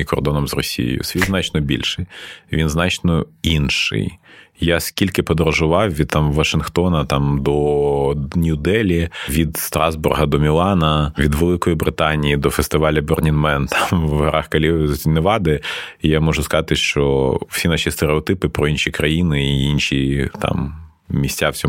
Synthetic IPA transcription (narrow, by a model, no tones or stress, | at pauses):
ikɔrd̪ɔnɔmzrɔsʲḭj̰jʊ̰sʲʋʲid̪znɑt͡ʃnɔbʲḭlʲʃɪjʋʲinznɑt͡ʃnɔinʃɪ̰jjaskʲilʲkɪpɔd̪ɔɾɐʒʊʋɑwʋʲid̪̚t̪ːɑmːɐʃɪnxt̪ɔnɐt̪ɑmd̪ɔ | nʲud̪ɛlʲiʋʲid̪st̪ɾɑzburɦɐd̪ɔmʲilˠɑnɐʋʲid̪ʋelˠɪkɔjibɾɪt̪ɑnʲijid̪ɔfest̪ɪʋɑlʲɐbernʲinmɛnt̪ʰɑmʋɦɐɾɑxkɐlʲineʋɑd̪ɪijamɔʒʊskɐzɑt̪ɪʃt͡ʃɔ̰wsʲinɑʃʲist̪eɾeɔt̪ɪpɪpɾɔinʃʲikɾɐjinɪːinʃʲit̪ɑ̰m | mʲisʲtʲawsʲɔ